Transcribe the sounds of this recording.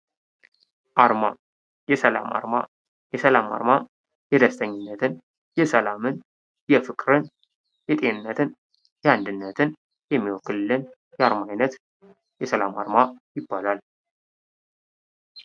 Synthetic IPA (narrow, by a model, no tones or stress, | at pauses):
ʔaɾma | jɛsəla̰ma̰ɾma̰ | jɛsəlama̰ɾma | jɛd̪əst̪ʰəɲːɪnːət̪ʰɨn | jɛsəlamɨn | jɛfɨkʼɾɨn | jɛt̪ʼe̞nɨnːət̪ʰɨn | jɛand̪ɨnːət̪ʰɨn | jɛmːiwɔkːɨllːɨn | jɛaɾmajnət̪ | jɛsəlama̰ɾmajɪbːalal